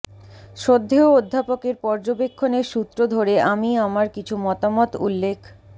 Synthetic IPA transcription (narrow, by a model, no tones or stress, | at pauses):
ʃod̪ʱːeood̪ʱːapokeɾpɔɾd͡ʑobekʰːoneɾʃut̪ːɾod̪ʱoɾeʔamiamaɾkit͡ɕʰumɔt̪amɔt̪ṵlːekʰ